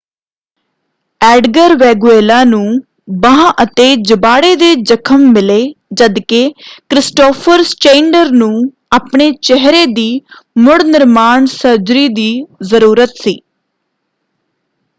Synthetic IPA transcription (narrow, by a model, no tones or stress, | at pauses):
ɛːɖɡəɾʋɛːɡueːlãːnũː | bəãːʔət̪eːd͡ʒəbaːɽeːd̪eːd͡ʒəkʰəmːɪleːd͡ʒəd̪kekɾɪsʈoːpʰəɾst͡ʃẽːɳɖəɾnũː | aːpɳeːt͡ʃɛɦɾeːd̪iː | mʊɽnɪɾmaːɳsəɾd͡ʒɾiːd̪iːzəɾuːɾət̪siː